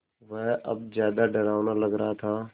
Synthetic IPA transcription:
ʋɛːʔɐ̰b̚zjaːd̪aɖəɾaːʋnaləɡɾəat̪ʰaː

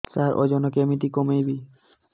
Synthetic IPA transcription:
saɾʔo̰d͡ʑɔnokemit̪ikomejbi

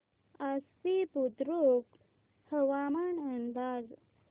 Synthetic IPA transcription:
as | ipud̪ɾuk | həʋamaɳənd̪ad͡z

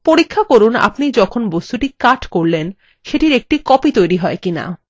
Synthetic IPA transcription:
poɾikʰːakoɾuna̰pnid͡ʑɔkʰonbost̪uʈikaʈkoɾlen | ʃeʈiɾek̚ʈikɔpit̪ojɾiɦɔekina̰

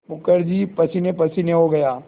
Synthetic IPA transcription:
bʊkəɾd͡ʒiːpɐsinepɐsɪneɦoɡɐjaː

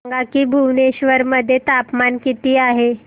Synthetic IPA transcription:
ŋɡakiːbʱuʋneɕʋəɾməd̪ʱːjet̪apmankit̪iːaɦe

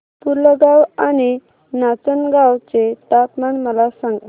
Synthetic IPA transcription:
puɾləɡawañi | nat͡sənɡawt͡set̪at̪maɳməlasãŋɡ

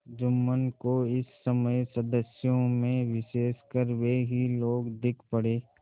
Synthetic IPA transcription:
d͡ʒʊmːənkoɪsːəməjsəd̪əsjõmẽʋɪʃeːskəɾʋeɦiloːɡd̪ɪkʰpəɽeː

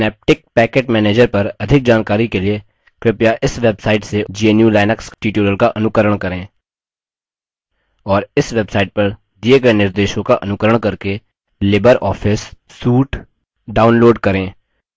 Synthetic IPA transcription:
neːp̚ʈɪk̚pɛːkeːʈmɛːneːd͡ʒəɾpɐɾɐd̪ʱɪk̚d͡ʒaːnkaːɾikelie | kɾɪpjaʔɪsʋebsaːɪʈsed͡ʒieːnjulaːɪnəksʈiːʈjuːɾəlkaʔɐnʊkəɾəɽ̃kɐɾẽː | ɔːɾɪsʋebsaːɪʈ̚pɐɾ | d̪ieɡɐenɪɾd̪eːʃõkaʔɐnʊkəɾəɽ̃kɐɾke | lɪbəɾɔːfʰɪsː | uːʈ | ɖaːʊnloːɖkɐɾẽː

